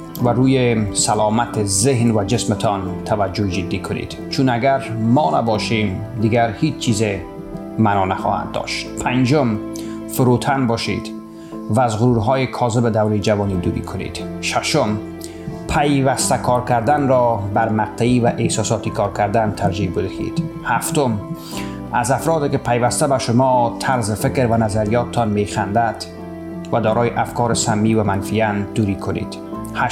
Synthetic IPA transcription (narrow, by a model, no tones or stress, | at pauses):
vaɾuːjesalɒːmat̪ʰezeɦnvad͡ʒesmɪt̪ʰɒnt̪ʰavad͡ʒːod͡ʒɪd̪ːikʰʊnḭd̪̥t͡ʃʰunaɡæɾmɒːna̰bɒʃimd̪iɡaɾhiːt͡ʃt͡ʃʰiːze | manɒna̰xɔ̰ːha̰nd̪dːɒ̰ʃt̪pʰand͡ʒom | fʊɾut̪ʰanbɒʃḭd̪ | vaːzɣʊɾuɾɦɒːjekʰɒːzɪbed̪awɾid͡ʒavɔnid̪uːɾḭkʰʊnḭd̪̥ʃaʃom | pʰajvast̪akʰɒɾkaɾd̪anɾɔbaɾmaq̚t̪ʰaivaʔehsɒsɒt̪ikʰɒɾkaɾd̪ant̪ʰaɾd͡ʒibɪd̪ḛd̪̥haft̪ʊm | azafɾɔd̪ekɪpʰajvast̪abaʃʊmɒt̪ʰaɾzɪfɪkɾvanazaɾijɒt̪t̪ʰɔnmexand̪ad̪ | vad̪ɒːɾɔːjɪʔafkɒɾɪsamːivamanfijand̪̥uɾikʰʊnḛd̪̥ | ha